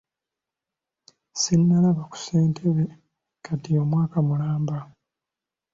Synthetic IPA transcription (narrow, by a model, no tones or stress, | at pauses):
sinːalaβaku̥se̞ːntʰeβe | kʰatijo̞mwaːkamulaːmba